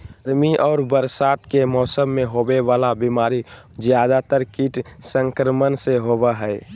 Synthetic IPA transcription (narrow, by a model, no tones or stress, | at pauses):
ɾmiʔɔːɾbəɾsaːt̪kemɔːsəmːẽɦoːbeʋaːlabimaːɾi | d͡ʒjaːd̪at̪əɾkiːʈsə̃ŋkɾəmənseɦobaɦɛː